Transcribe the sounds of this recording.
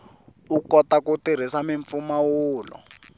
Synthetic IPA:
ukɔtakutiɾ̤isamiɱp̪fumawuːlɔ̰

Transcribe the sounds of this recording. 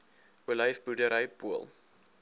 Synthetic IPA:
uələjfbudəɾəjpuəlˠ

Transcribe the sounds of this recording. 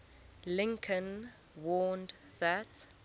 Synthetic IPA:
lɪ̃ŋkʰə̃n | wɔːnd | ðat

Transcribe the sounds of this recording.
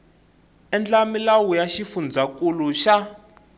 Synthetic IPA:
ɛnd͡ɮamilawujaʃifund͡zakuluʃa

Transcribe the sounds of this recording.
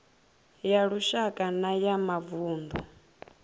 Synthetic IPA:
jaɺuʃakʼanajamavuːnd̪ɔ

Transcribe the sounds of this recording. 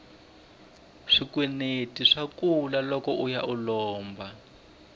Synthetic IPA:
ʂikwɛnetiʂakulalɔkɔʔujaʔulɔːmba

